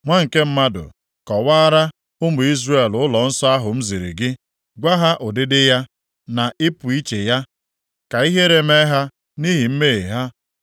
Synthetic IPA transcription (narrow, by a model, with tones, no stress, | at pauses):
ŋʷa˦ŋ̩˨ke˦m̩˦ma˦dʊ̰˨ | kɔ˨wa˦ɾa˦ | ʊ˦mʊ˨i˦zre˦˨lʊ˦lɔ˨n̩˦sɔ˦a˦ɦʊ˨m̩˦zi˨ɾḭ˨ɡɪ˦ | ɡʷa˦ɦa˦ʔʊ˨dɪ˦dɪ˦ja˦ | na˨ʔɪ˦pʊ˨i˦t͡ʃe˨ja˦ | ka˨i˦ɦe˦ɾe˨me˦ɦa˦ | ni˦ɦi˨m̩˦me˦˨ɦa˦